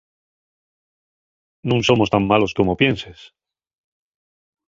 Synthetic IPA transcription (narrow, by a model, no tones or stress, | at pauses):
nũŋsomo̞st̪amːalo̞sko̞mopje̞nses